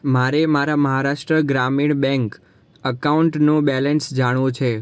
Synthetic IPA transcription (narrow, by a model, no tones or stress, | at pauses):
maɾemaɾaməɦaɾaʃʈɾəɡɾamiɳbɛ̃ŋk | əkauɳʈnũbɛlensd͡ʒaɽ̃õt͡ʃʰe